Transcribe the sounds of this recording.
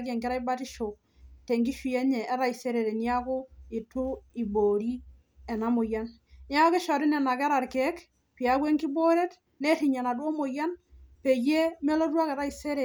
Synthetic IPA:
ɡe˨ŋki˦ɾa˦i˦ba˦ti˦ʃo˨ | te˨ŋki˦ʃi˨je˦ɲe˨ʔːɾa˦i˨se˦ɾe˨ɾe˨ni˦a˦ku˦i˨tu˦i˨bo˨ɾi˦ | e˨na˦mu˨ja˦n | ni˦a˦ko˦ki˦ʃo˨ɾi˦ne˨na˨ke˦ɾa˨ɾke˦k | pi˨a˨˦kwe˦ŋki˦bo˦ɾe˦t | ne˦ti˨ɲa˨na˨du˦o˦mo˨ja˦npe˨je˦me˦lo˦du˦a˦ke˨ɾa˦i˨se˦ɾe˨

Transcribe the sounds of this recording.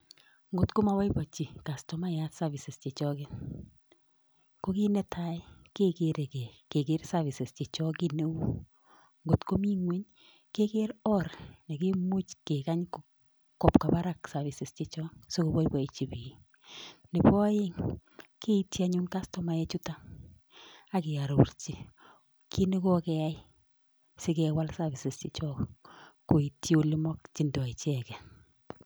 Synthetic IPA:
ŋɡo˨tko˦ma˨wa˦jpɔ˨t͡ʃi˨ka˨stɔ˨ma˦ja˦tsa˦vi˨sɪ˨st͡ʃe˨t͡ʃɔ˦kɪ˦n | ko˦ki˦nɛ˦˨tʰa˦jke˦ke˦ɾe˨kɛ˨ke˨ke˦rsa˦vi˨sɪ˨st͡ʃe˨t͡ʃɔ˦kɪ˦˨ne˦u˦ | ŋɡo˨tko˦mi˦ŋwe˦ɲ | ke˦ke˦ɾɔ˦ɾne˨ki˦mo˦t͡ʃke˨ka˦ɲk | kɔ˨pka˨pa˦ɾa˦ksa˨vi˨sɪ˨st͡ʃe˦t͡ʃɔ˦ŋso˦ko˦bɔ˦jpɔ˨i˨t͡ʃi˨pi˨ | nɪ˨pɔ˦je˦ŋke˦ita˨ɲu˦nka˦stɔ˨ma˨ɛ˦t͡ʃu˦ta˦ | a˦kɪ˨ja˨ɾo˨˦ɾt͡ʃi˨˦ | kʰi˦ne˦ko˦kɛ˦ja˦j | sɪ˦kɛ˨wa˦lsa˦βi˨sɪ˨st͡ʃi˨t͡ʃɔ˦ko˨i˨tʰi˦o˦li˦mɔ˦k̚t͡ʃi˨ndɔ˨i˨t͡ʃɛ˨kɛ˨

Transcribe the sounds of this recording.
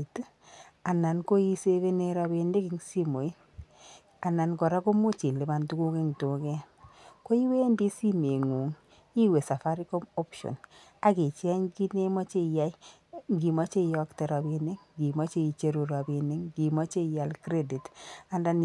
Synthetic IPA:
t | a˨na˨nko˦i˦se˦βe˦ne˦ɾa˧bi˧nde˦ki˦ŋsi˦mo˨i˦ | a˨na˨nkɔ˨ɾa˦ko˦mu˦t͡ʃi˨nle˨ma˨ntu˦ku˦ke˦ŋto˨kɛ˦ko˦i˦we˦ndi˦si˦me˨ŋu˨ŋ | i˦we˨sa˨fa˦ɾi˦ko˦mɔ˦pʃɔ̰˨na˦ki˨t͡ʃɛ˦ŋɡi˦ne˦mɔ˦t͡ʃe˦ja˦i˦ | ŋɡi˨ma˦t͡ʃe˦jɔ˦kte˨ɾa˨bi˨ne˦ŋɡi˨mɔ˦t͡ʃe˦i˨t͡ʃe˦ɾu˨ɾa˨bi˨ne˦ŋɡi˨mɔ˦t͡ʃe˦ja˨lkɾe˦di˨ta˨nda˦n

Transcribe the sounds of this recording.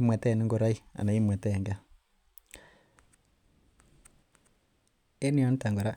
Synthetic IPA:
i˦mwɛ˨tɛ˦˨ni˦ŋɡo˨ɾa˦i˦a̰˨na˨i˦mwɛ˨tɛ˦˨ŋɡa˦ | e˦ni˦ɔ˦n˦ta˨ŋɡo˨ɾa˦

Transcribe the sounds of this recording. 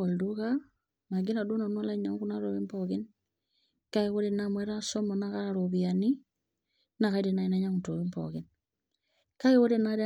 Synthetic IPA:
o˨lduɣa | ma˨ɡi˦na˨du˦na˨nwo˦la˦ɲa˨ŋɡu˦na˦ɾo˨βi˦mpɔɣi˦ni | ka˦iɣo˦ɾenamwɛ˦ɾa˦so˦mɔ˨naɣaɾoβiani˦ | na˨ɣa˨i˦ɾi˨nai˦na˦ɲa˦ŋuto˨βi˦mpɔ̰ɣi˦ni | ka˦iɣo˦ɾe˦na˦ɾ

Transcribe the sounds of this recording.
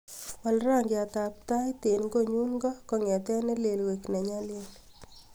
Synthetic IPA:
wa˨lra˦ŋɡɪ˨a˨t̪a˨p̚t̪a˦jt̪e˨nɡo˦ɲu˦ŋŋɡɔ˦kɔ˨ŋɛ˨t̪ɛ˦nɛ˦le˨lwe˨knɛ˨ɲa˦le˦l

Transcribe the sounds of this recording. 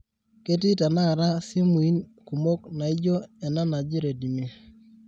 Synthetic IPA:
ke˦ti˦ta˨na˦˨ɾa˦si˦mu˨i˦nku˨mo˦kna˨i˦d͡ʒo˦ɛ˨na˦na˨d͡ʒi˦ɾe˨di˨me˦

